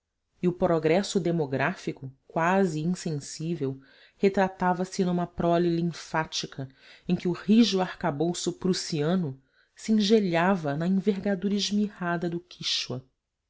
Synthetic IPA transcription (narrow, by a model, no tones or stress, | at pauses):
iʊpɾoɡɾɛsʊd̪emoɡɾafikʊkwaziĩsẽsivew | het̪ɾat̪avɐsɪnũmɐpɾɔlilĩŋfat͡ʃikʰɐ | ẽkʲɪʊhiʒʊahkabowsʊpɾusiɐ̃nʊ | siĩŋʒeʎavɐnɐĩveɦɡad̪uɾɐiʒmihad̪ɐd̪ʊkʰiʃwɐ